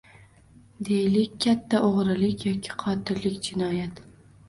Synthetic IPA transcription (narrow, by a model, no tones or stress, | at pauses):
d̪ejlɪkʲkʲʰːat̪ʰːaʔoʁɾɪlɪkʲjɒkʲʰɪ̥qʰɒt̪ʰɪɾlːɪkʲd͡ʒɪnɒjat̪